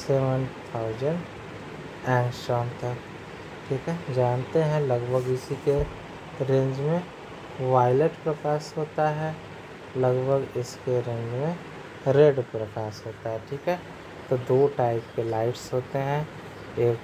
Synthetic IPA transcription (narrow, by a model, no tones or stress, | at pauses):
sɛːʋənt̪ʰaʊzəɳ | ɛ̃ːŋksɔːnt̪ʰək | ʈʰiːkɦɛd͡ʒaːnt̪eɦɛ̃lɐɡbʱəɡɪsike | ɾẽɲd͡ʒmẽ | ʋaːɪləʈpɾɐkaːsɦoːt̪aɦɛ | lɐɡbʱəɡɪskeɾẽɲd͡ʒmẽ | ɾeːɖpɾɐkaːsɦoːt̪aɦɛʈʰiːkɦɛ | t̪od̪oːʈaːɪpkelaːɪʈsɦoːt̪eɦɛ̃ | eːk